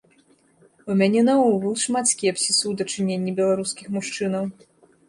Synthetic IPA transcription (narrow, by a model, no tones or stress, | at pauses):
umʲanʲɛnɐuɣɨlˠʂmat̪sʲkʲɛpsʲisɨwd̪ɐt͡ʂɨnʲenʲːibʲɛlˠaɾuskʲixmuʂt͡ʂɨnɐw